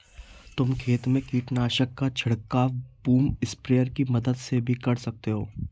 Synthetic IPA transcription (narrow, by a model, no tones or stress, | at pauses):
t̪ʊmkʰeːt̪mẽkiːʈnaːʃəkːat͡ʃʰɐɽkːaːʋbuːmɪspɾejəɾkimɐd̪əd̪sebʱikɐɾsɐk̚t̪eɦoː